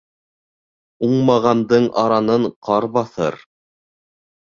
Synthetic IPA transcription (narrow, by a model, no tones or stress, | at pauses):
uɴmɑʁɑnd̪ɤɴʔɑɾɑnɤɴqʰɑɾbɑθɤ̰ɾ